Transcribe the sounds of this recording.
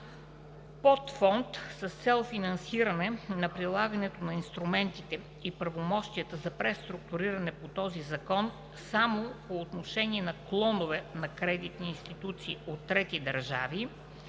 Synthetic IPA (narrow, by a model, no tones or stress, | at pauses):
pɔt̪fɔnt̪səst̪sɛlˠfinɐnsiɾənɛnɐpɾilˠaɡənɛt̪onɐinst̪ɾumɛnt̪it̪ɛ | ipɾɐvomɔʃt̪iət̪əzɐpɾɛst̪ɾuk̚t̪uɾiɾɐnɛpot̪ɔzizɐkɔn | samopoːt̪noʃɛniɛnɐklˠɔnovɛnɐkɾɛd̪it̪niːnst̪it̪ut̪siːot̪ːɾɛt̪id̪ɐɾʒa̰vi